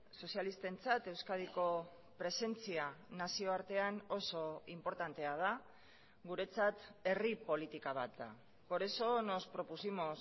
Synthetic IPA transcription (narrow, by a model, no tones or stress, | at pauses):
so̞sialist̪e̞nt͡sat̪e̞wskað̞iko̞ | pɾe̞se̞nt͡sianasio̞aɾt̪e̞ano̞so̞impo̞ɾt̪ant̪e̞að̞a | ɣuɾe̞t͡sat̪e̞ripo̞lit̪ikaβ̞at̪̚d̪a̰ | ko̞ɾeso̞no̞spɾo̞pusimo̞s